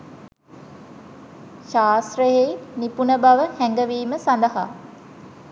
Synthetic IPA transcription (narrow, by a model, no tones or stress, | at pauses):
ʃaːst̪rəjejnipunəbaʋəhɛŋɡəʋiːməsand̪əɦa̰